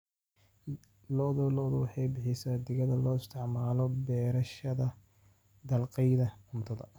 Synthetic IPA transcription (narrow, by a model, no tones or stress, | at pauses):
lɔðɔlɔðʊwɑħɑjbɪħɪsaːd̪ɪɣɐðɐlɔːɪst̪ʰɪʕmaːlɔbɛːɾɐʃɐðɐ | d̪ɐlqɛjðɐʊmt̪ʰɐðɐ̰